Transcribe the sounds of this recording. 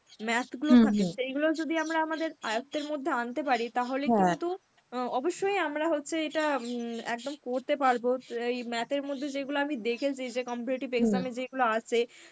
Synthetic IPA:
mɛt̪ʰɡulot̪ʰakeʃejɡulod͡ʑod̪iamɾaamad̪eɾajot̪ːeɾmod̪ʱːeant̪epaɾit̪aɦolekint̪u | ɔboʃːojamɾaɦotːɕʰeeʈaɛk̚d̪omkoɾt̪epaɾboejmɛt̪eɾmod̪ʱːed͡ʑeɡuloamid̪ekʰet͡ɕʰid͡ʑekɔmpiɾiʈibeɡzamed͡ʑeɡuloat͡ɕʰe

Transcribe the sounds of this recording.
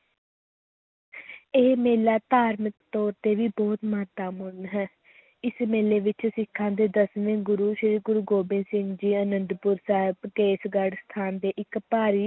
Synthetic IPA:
eːmeːlaːt̪aːɾməkt̪ɔːɾt̪eːʋiːbɔːt̪məɦət̪ːaːmʊnɦɛː | ɪsmeːleːʋɪt͡ʃsɪkʰːãːd̪eːd̪əsʋẽŋɡʊɾuːʃɪɾiːɡʊɾuːɡoːbɪ̃nsɪ̃ŋɡd͡ʒiːənənd̪pʊɾsaːɦɪbkeːsɡəɖst̪ʰaːnd̪eːʔɪkpaːɾiː

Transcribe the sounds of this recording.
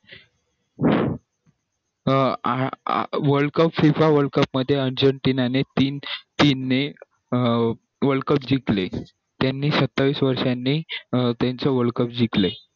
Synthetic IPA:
ʋəɾɭkəpfifaʋəɭkəpməd̪ʱːjeəɾd͡ʑəɳʈinanet̪iːnt̪iːnːe | ʋəɭkəpd͡ʑikle | t̪janːiːsət̪ːaʋiːsʋəɾʂanːiːt̪jant͡səʋəɭkəp̚d͡ʑikle

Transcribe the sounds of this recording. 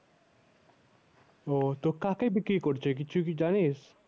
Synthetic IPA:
ot̪okakaibikɾikɔɾt͡ʃʰek̬it͡ʃʰukid͡ʒanes

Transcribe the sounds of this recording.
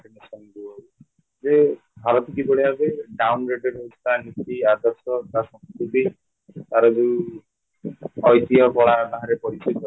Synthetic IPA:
enɔsɔnd̪iɔɦu | d͡ʒe | bʱaɾɔt̪ʰikibɔɽiabeɖawnɾeɖeɾɦust̪anit̪iad̪ɔsɔt̪asɔ̃mskut̪i | t̪aɾɔd̪u | ɔjt̪iɔkɔɭat̪aɦãɾepɔɽit͡ʃɔjk̪ɔ

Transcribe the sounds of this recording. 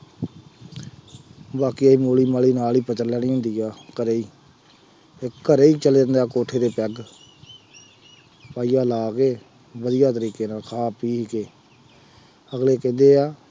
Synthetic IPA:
baːkiːiːmoːliːmaːliːnaːliːpət͡ʃəɾlːɛːniːɦʊ̃nd̪iːaːkəɾeːiː | ekkəɾeːiːt͡ʃəleːɾənd̪aːkoːʈʰeːd̪eːpɛːɡ | paːiːaːlaːkeː | bəd̪ɪjaːt̪əɾiːkeːnaːlkʰaːpiːkeː | əɡleːkɛ̃ːnd̪eːaː

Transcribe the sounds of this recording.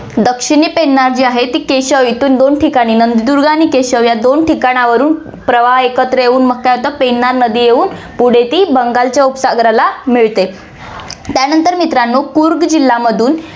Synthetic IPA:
d̪əkʂiɳ̃iːpenːaɾd͡ʑiːaɦet̪iːkeɕəʋit̪und̪onʈʰikaɽ̃iːnənd̪d̪uɾɡanikeɕəʋjad̪onʈikaɽ̃aʋəɾuːn | pɾəʋaɦekət̪ɾəjeuːnmək̚kajɦot̪əpenːaɾnəd̪iːjeuːn | puɽ̤et̪iːbəŋɡalt͡ɕjaupsaɡɾalamiɭt̪e | t̪janənt̪əɾmit̪ɾanːokuɾɡd͡ʑilːaməd̪ʱuːn

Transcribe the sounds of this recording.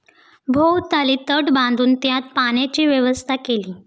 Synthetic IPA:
bʱowt̪aliːt̪əʈbãnd̪ʱuːnt̪jãt̪̚panjat͡ɕiːʋjəʋəst̪ʰakeliː

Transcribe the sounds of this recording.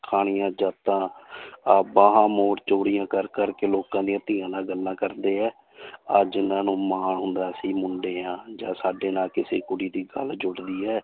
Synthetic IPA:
kʰaːɽ̃ɪjãːd͡ʒaːt̪ãːaːbaːɦãːmoːɾt͡ʃoːɽɪjãːkəɾkəɾkeːloːkãːd̪ĩːət̪ijãːnaːɡəlːãːkəɾd̪eːɛː | əd͡ʒɪnãːnũːmaːɳɦʊnd̪aːsĩːmʊɳɖeːãːd͡ʒãːsaːɖeːnaːlkɪsḛːkʊɽiːd̪iːɡəld͡ʒʊɽd̪iːɛː

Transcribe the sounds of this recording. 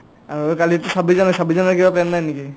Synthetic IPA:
aɹokalitusabizanajsabizɔnakibatɛnnajniki

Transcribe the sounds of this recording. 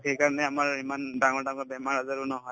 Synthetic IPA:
kejkaɹnɛamaɹimandaŋɔɹdaŋɔɹbɛmaɹazaɹunɔɦɔj

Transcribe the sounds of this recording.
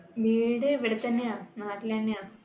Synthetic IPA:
ʋiːɽeʋiɽɐt̪ːɐnːejaːnaːʈːilt̪ɐnːejaː

